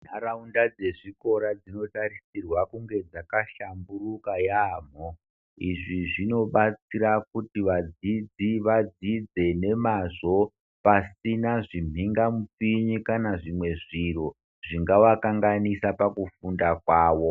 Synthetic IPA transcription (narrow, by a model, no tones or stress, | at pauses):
naɾaundad͡ze̞ʐiko̞ɾad͡zino̞tarisirwakuŋɡe̞d͡zakaʃamburukajaːm̤o | iʐiʐino̞ɓat͡siɾakutiʋad͡zid͡ziʋad͡zid͡ze̞ne̞maʐo̞ | pasinaʐim̤ʱiŋɡamup͡fiɲikanaʐimwe̞ʐiro̞ | ʐ̥iŋɡawakaŋɡanisapakufundakwaːʋo̞